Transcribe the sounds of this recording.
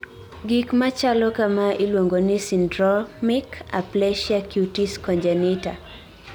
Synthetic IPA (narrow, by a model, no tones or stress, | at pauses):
ɡikmat͡ʃalɔkamaʔilwoŋɡonɪsindɾɔmika̰plɛʃakjutiskɔɲd͡ʒanɪta